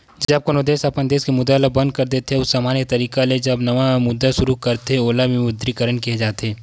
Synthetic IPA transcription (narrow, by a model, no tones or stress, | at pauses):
d͡ʒɐb̚konod̪eːʃɐpənd̪eːskemʊd̪aːlabɐ̃nd̪̚kɐɾd̪eːt̪eɦeʊsːaːmaːnjet̪ɐɾiːkaled͡ʒɐbnɐʋamʊd̪ːaʃʊɾukɐɾt̪eoːlamĩmʊd̪ɾikəɾənkied͡ʒaːt̪eɦeː